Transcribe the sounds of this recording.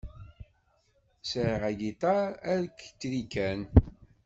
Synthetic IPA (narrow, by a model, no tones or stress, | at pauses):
sɾʁæɡit̪ˤɑɾæɾkt͡sːɾikæn